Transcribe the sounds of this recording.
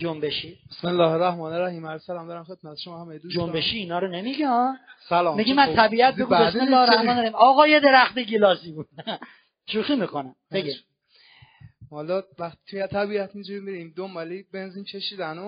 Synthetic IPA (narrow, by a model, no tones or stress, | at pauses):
d͡ʒombeʃiːbesmelːɒːheɾæhmɒːneɾæhiːmælsælɒːmd̪ɒɾæmxet̪̚mæt̪e̥ʃomɒːhæmejed̪usd͡ʒombeʃiːnɒːɾonemiɡiɒːnsælɒːmiɡimːænt̪ʰæbiːʔæt̪̚eɡumbesmelːɒːheɾæhɒːneɾæhimɒːɣɒːjed̪eɾæxt̪eɡilɒːsibud̪ | ʃuːxiːmikonæmbeɡi | hɔlɒvæxt̪i̥t̪ʰujet̪ʰæbiæt̪ʰmid͡ʒuɾimiɾimd̪ombɒːlibenziːnkʰeʃiːd̪æno